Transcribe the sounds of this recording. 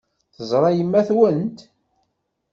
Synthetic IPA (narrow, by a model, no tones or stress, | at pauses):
θəzˤɾˤɑjəmːæθwənt̪